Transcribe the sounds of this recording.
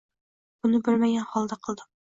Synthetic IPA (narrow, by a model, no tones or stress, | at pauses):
b̥unɪbølmɛɡʲɛnχɑlˠd̪ɛqʰəlˠd̪ʊ